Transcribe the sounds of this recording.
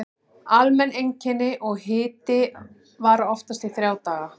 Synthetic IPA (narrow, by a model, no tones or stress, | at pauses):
almɛnːejɲcɪnːɪʔɔɣɦɪːt̪ɪ | vaɾaɔft̪ast̪iθɾjaːwt̪aːɣa